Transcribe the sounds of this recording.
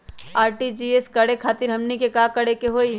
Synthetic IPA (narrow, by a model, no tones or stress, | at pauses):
aːɾʈid͡ʒieskɐɽekʰaːt̪ɪɾɦɐmnikekakɐɽekeɦoːi